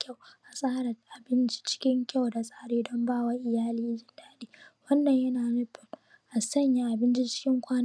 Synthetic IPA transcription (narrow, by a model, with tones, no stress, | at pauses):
kʲa˦˨wʔa˨sʼaː˦ɾɐ˨ʔa˨bɪ˦nt͡ʃi̥˦t͡ʃɪ̥˦kʲɪ˦ŋkʲa˦˨wda˨sʼaː˦ɽeː˦dɔ˦mbaː˦wa˦ʔɪ˨jaː˦liː˦d͡ʒɪ˨˦ndaː˦ɗeː˦wɐ˦nːɐ˨ɲjɐ˦naː˨nʊ˦ɸɪ˨m | ʔa˨sɐ˦˨ɲja˦ʔa˨bɪ˦nt͡ʃi˦t͡ʃɪ̥˦kʲɪ˦ŋkʷaː˦n˦